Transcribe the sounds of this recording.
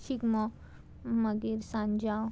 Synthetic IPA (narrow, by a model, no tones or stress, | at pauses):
ʃikmɔ | mɐɡiɾsãnd͡ʒa